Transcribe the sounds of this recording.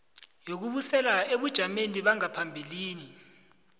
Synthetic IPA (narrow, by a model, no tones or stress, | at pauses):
jok̬uɓusɛlaeɓud̥ʒ̥ʱameniɓaŋapʰambʱiliːni